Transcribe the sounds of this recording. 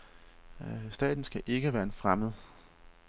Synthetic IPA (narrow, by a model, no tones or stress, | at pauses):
sd̥ɛ̰ːd̥n̩sɡ̥æʔe̝ɡ̥əʋæːɐe̝nfʁaməð̞̩ˠ